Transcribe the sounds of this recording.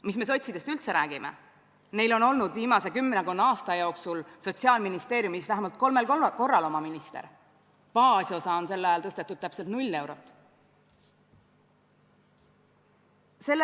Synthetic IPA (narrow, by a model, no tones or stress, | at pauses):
mis̬me̞s̬o̞t̪ʲsid̥̪e̞st̪ylt̪se̞ɾæːɡ̥imʔḛ | ne̞jlo̞no̞lnud̪viːmɑse̞kymːenekunːɑɑːst̪ɑjo̞ːksulso̞t̪ʲsiɑːlminist̪e̞ːɾjumisvæɦemɑlt̪̚ko̞lme̞lko̞rːɑlo̞mɑminist̪e̞̰ɾ | pɑːsʲosɑo̞nse̞lːɑjɑlt̪ɤst̪et̪ːˑud̥̪̚t̪æpse̞lt̪nulʲːe̞wɾo̞t̪ːˑ | se̞lː